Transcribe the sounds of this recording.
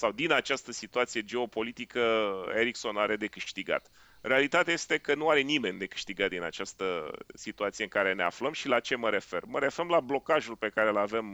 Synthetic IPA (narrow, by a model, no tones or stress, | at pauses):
sawd̪inat͡ʃast̪əsit̪uat̪sije̞d͡ʒe̞o̞po̞lit̪ikəeɾikso̞naɾe̞d̪e̞kɨʃt̪iɡa̰t̪ | ɾealit̪at̪ejajest̪e̞kənuaɾe̞nime̞nʲd̪e̞kɨ̥ʃt̪iɡat̪̚d̪ina̰t͡ʃast̪əsit̪uat̪sijeɨŋkaɾe̞ne̞a̰fləmʃilat͡ʃe̞məɾe̞fe̞rməɾe̞femlablo̞kaʒulpe̞kaɾe̞lave̞m